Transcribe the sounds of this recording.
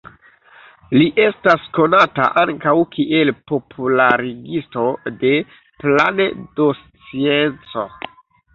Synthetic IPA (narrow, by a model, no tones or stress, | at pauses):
liʔe̞stasko̞nata̰ʔaŋkawkʰiʔe̞lpo̞pʰulaɾiɡisto̞de̞ | planedost͡sie̞nt͡so̞̰